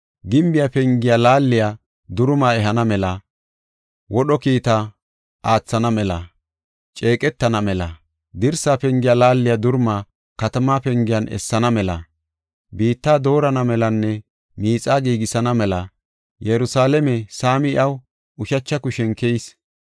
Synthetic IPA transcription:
ɡɪmbɪjapɛŋɡɪjalaːlːɪja | d̪ʊɾmaːɛɦɐnɐmɛlɐ | wɔɗɔkiːt̪ɐ | ʔaːt͡sːɐnɐmɛlɐ̰ | t͡ʃʼe̞ːkʼɛt̪ːɐnɐmɛlɐ̰ | d̪ɪɾsaːpɛŋɡɪjalaːlːɪjad̪ʊɾmaː | kɐt̪ɐmaːpɛŋɡɪjɐnʔɛ̰sːɐnɐmɛlɐ | biːt̪ːaːd̪o̞ːɾɐnɐmɛlɐnːɛ | miːt͡sʼːaːɡiːɡɪsɐnɐmɛlɐ | jɛɾʊsaːlɛmɛsaːmɪɪʔɐw | ʊʃɐt͡ʃːɐkʊʃɛnkɛjs

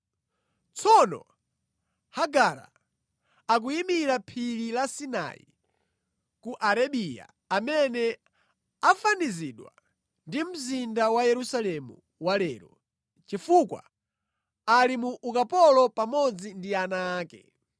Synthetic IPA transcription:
t͡sʰɔnɔ̰ | haɡaɾa̰ | ak̬uimiɾapʰililasina̰ḭ | kuʔaɾaɓija̰ | amɛnɛ | afaniziɗwa̰ | ndim̩zindawajɛɾusalɛmṵ | walɛːɾɔ | t͡ʃifukwa̰ | alimuʔukapɔlɔpamɔd͡zindianaːkɛ̰

